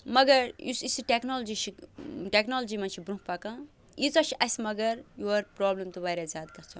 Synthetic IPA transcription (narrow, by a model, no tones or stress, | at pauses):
mɐɡɐɾjisisiʈeknold͡zit͡ʃʰiʈeknold͡zimat͡ʃʰibɾũpakã | it͡sɐt͡ʃʰiʔɐsmɐɡɐɾjuɐɾpɾɔːblemt̪ubaːɾʲad͡zaːd̪̚kɐɾt͡sʰɐ